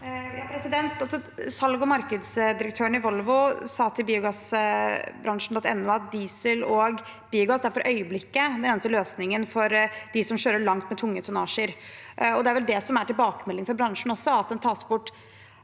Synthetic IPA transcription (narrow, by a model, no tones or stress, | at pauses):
jɑːpʰɾɛsɪd̪ɛnt̪ɑlsɔsɑlɡɔmɑɾkəd̪sd̪ɪɾəkt̪ʰøːəɳɪʋɔlʋʊsɑːt̪ʰɪlbiːʊɡɑs | bɾɑŋʂn̩d̪ɔt̪ɛnːoːɑt̪̚d̪iːsəlɔɡ | b̥iːʊɡɑsæɾfɔɾʔœʏəblɪkːəd̪ɛneːnəsəløːsnɪŋənfɔɾd̪̥ɪsɔmɕøːɾəɭɑŋt̪mɛt̪ʰʊŋːət̪ʰʊnɑːʂəɾʔɔd̪ɛæɾʋɛld̪ɛsɔmæʈɪlbɑːkəmɛlːɪŋfɔɾbɾɑŋʂɳn̩ɔsːɔɑt̪̚d̪ɛnt̪ʰɑːsbʊʈː